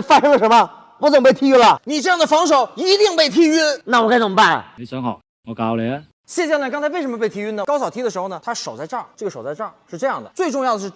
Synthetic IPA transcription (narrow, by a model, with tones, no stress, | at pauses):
fa˥ʂɤ˥ŋlə˩ʂə˧˥mə˧ | wɔ˨˧˥t͡sə˨˩ŋpe˥˩ɪt̪ʰi˧˥ɥy˥lə˨˩ni˨˩ʈ͡ʂɤ˥˧jɑ˥˩ŋd̪ə˩fɑ˧˥ŋʂo˨˩ʊi˧˥t̪i˥˧ŋpe˥˩ɪt̪ʰi˥y˥na˥˩wɔ˨˩ka˥ɪt͡sə˨˩˥pa˥˩nlə̰˩e˥ɕɛ˧˥nxɑ˨˩˦ʊ | ɔ˧˩ka˨˧˩lɛ˧˥n | ɕjɛ˥˧t͡ɕɕɛ˥˧lkŋt͡sʰɪe˥˩ɪʂə˧˥mə˧pe˥˩ɪt̪ʰi˧˥y˥nə˨kɑ˥ʊsɑ˨˩ʊt̪ʰi˥də˧ʂɻ̩˧˥xnə˩t̪ʰa˥ʂo˨˩ʊt͡sa˥˧ɪʈ͡ʂɑ˥˩ŋʈ͡ʂɤ˥˩ɡə˩ʂo˨˩ʊt͡sa˥˧ʈ͡ʂɑ˥˩ŋʂɻ̩˥˧ʈ͡ʂɤ˥˧jɑ˥˩ŋd̪ə̰˩t͡swe˥˧ɪʈ͡ʂʊ˥˧ŋjɑ˥˩ʊə˩ʂɻ̩˥˩